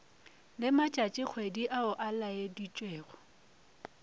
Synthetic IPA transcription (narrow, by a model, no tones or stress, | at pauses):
lɪmat͡ʃʼat͡ʃʼɪk͡xʰwediʔaʊʔalajedit͡ʃʼweːɣɔ